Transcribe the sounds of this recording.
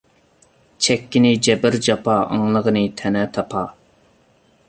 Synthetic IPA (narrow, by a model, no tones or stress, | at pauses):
t͡ʃʰɛkʲːinɪd͡ʒɛbɪɾd͡ʒɑpʰɑɑ̰ŋlˠəʁənɨt̪ʰɛnɛt̪ʰɑpʰɑ